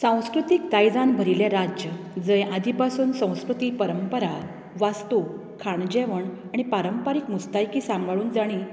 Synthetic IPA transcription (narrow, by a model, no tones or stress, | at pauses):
sãw̃skɾut̪ik̚t̪ajd͡zanbʱəɾilẽɾad͡ʑjə | d͡zəjad̪ʱipasuːnsə̃w̃skɾut̪ipəɾəmpəɾa | ʋast̪o | kʰaɳd͡ʑeʋəɳ | aɽ̃ipaɾəmpaɾikmust̪ajkiːsamɡaɭuːnd͡zaɽ̃i